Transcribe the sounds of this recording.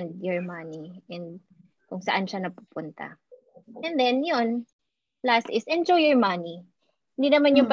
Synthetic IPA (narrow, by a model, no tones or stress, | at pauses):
nd̪̚jɔɹmɐniʔɛ̃nd̪ | kʊŋsɐʔanʃanɐpuːpʊnt̪ɐ̰ | ʔɛ̃nd̪ɛnjon | last̪ɪsʔɛnd͡ʒojɔɹmɐni | hɪnd̪inɐmanjʊŋpɐ